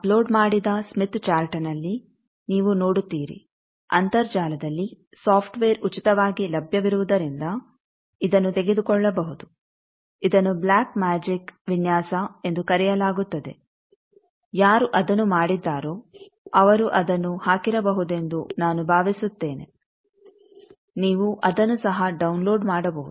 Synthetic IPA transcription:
ɐplo̞ːɖmaːɽid̪ɐsmit̪t͡ʃaːlʈɐnɐlːi | niːʋunoːɽut̪ːiːɾḭ | ɐnt̪ɐɾd͡ʒaːlɐd̪ɐlːi | saːpʰʈʋeːɾut͡ʃit̪ɐʋaːɡilɐbʱjɐʋiɾuʋud̪ɐɾind̪ɐ | id̪ɐnːut̪eɡe̞d̪ukɔɭːɐbɐɦud̪u | id̪ɐnːublaːkmaːd͡ʒikʋinjaːsɐe̞nd̪ukɐɾɛjɐlaːɡut̪ːɐd̪e̞ | jaːɾuʔɐd̪ɐnːumaːɽid̪ːaːɾo̞ː | ɐʋɐɾuʔɐd̪ɐnːuhaːkiɾɐbɐɦud̪e̞nd̪unaːnubʱaːʋisut̪ːe̞ːnḛ | niːʋuʔɐd̪ɐnːusɐɦɐɖɐwnloːɖmaːɽɐbɐɦud̪u

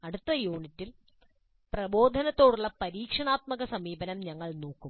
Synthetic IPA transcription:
ɐɽut̪ːɐjuːɳitːil | prɐbo̞ːd̪ʱɐnɐt̪ːo̞ːɽuɭːɐpɐɾiːkʂɐɳaːt̪̚mɐɣɐsɐmiːbɐnɐmɲɐŋːɐɭnoːkːum

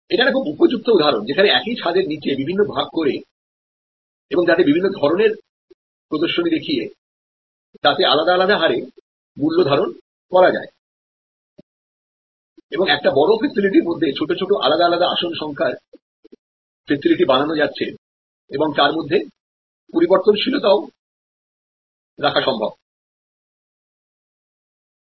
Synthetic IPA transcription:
eʈanekʰubupod͡ʑuk̚t̪oud̪ʱaɾond͡ʑekʰaneɛkit͡ɕʰad̪eɾnit͡ɕebibʱinːobʱaɡ̚koɾe | eboŋd͡ʑat̪̬ebibʱinːod̪ʱɔɾoneɾ | pɾod̪oɾʃonid̪ekʰije | t̪at̪ealad̪aːlad̪aɦaɾe | mulːod̪ʱaɾon | kɔɾad͡ʑa̰e | eboŋɛk̚ʈabɔɽofesiliʈiɾmod̪ʱːet͡ɕʰoʈot͡ɕʰoʈoʔa̰lad̪aalad̪aaʃonʃɔŋkʰaɾ | fesiliʈibananod͡ʑatːɕʰe | eboŋt̪aɾmod̪ʱːe | poɾiboɾt̪ont͡ɕʰilot̪ao | ɾakʰaʃɔmbʱob̚

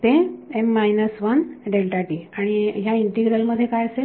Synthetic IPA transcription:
t̪eemːajnəsʋənɖelʈaʈiaɽ̃iɦjaiɳʈiɡɾəlməd̪ʱːjekajəse

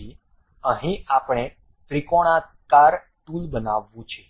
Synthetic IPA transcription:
i | əɦĩapɳ̃e | t̪ɾikoɽ̃akaɾ | ʈulbənaʋːũt͡ʃʰe

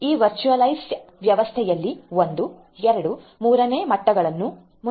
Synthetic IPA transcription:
iːʋɐɾt͡ʃuɐlɐjsʋjɐʋɐst̪ʰɛjɐlːiond̪u | ɛɾɐɽumuːɾɐne̞ːmɐʈːɐɡɐɭɐnːu | mu

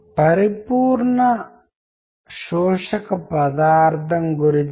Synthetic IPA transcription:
pɐɾipuːɾnɐ | ʃoːʃɐkɐpɐd̪aːɾt̪ʰɐŋɡuɾi

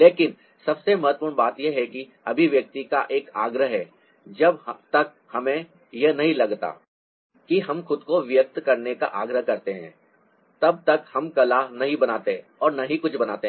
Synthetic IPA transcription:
leːkɪn | sɐbsemɐɦət̪wəpuːɾɽɳbaːt̪jeɦɛki | ɐbʱiʋjɐk̚t̪ikaʔeːka̰ːɡɾəɦɦɛː | d͡ʒɐbt̪ɐk̚hɐmẽ | jɐnɐɦĩlɐɡt̪a̰ː | kiɦɐmxʊd̪koʋjək̚t̪kɐɾneka̰ʔaːɡɾəɦkɐɾt̪eɦɛ̰̃ː | t̪ɐb̚t̪ɐkhɐmkɐlanɐɦĩbɐnaːt̪e | ɔːɾnɐɦĩkʊt͡ʃʰbɐnaːt̪eɦ

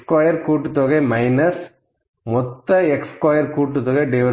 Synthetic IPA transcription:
kaːjɐɾkuːʈːɯt̪ːoːɣɐmɐɪnɐs | mɔt̪ːɐɛkskaːjɐɾkuːʈːɯt̪ːɔːɣɐɖɛʋɐ

